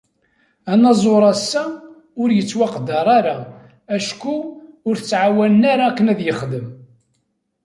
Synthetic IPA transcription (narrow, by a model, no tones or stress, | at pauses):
ænɑzˤoɾˤɑsːæ | ʊɾjət͡sːwɑqd̪ɑɾˤaɾa | æʃkuʊɾθət͡sːʕawælənæɾakːənæðjəχd̪əm